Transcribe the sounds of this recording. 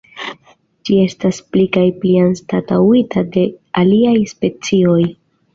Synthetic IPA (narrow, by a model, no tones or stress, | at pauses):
d͡ʒie̞stasplikajplianstatawitʰade̞aliajspe̞t͡sio̞j